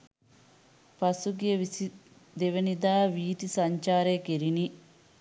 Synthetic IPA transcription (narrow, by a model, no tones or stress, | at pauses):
pɐsuɡjɐ | d̪eʋɐnid̪aːʋiːt̪isɐɲt͡ʃaːɾeːkeɾini